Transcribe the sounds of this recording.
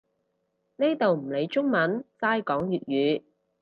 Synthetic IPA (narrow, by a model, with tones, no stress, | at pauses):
ne˥t̪o˨wm̩˨˩le˨˧jt͡ʃʊ˥ŋmɐ˨˥nt͡saː˥jkɔː˨˥ŋjyː˨t̚jyː˨˧